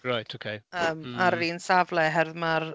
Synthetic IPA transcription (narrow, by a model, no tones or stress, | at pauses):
ɹajtʰokʰejəːmaɾːiːnsavlˠɛɦɛrðmar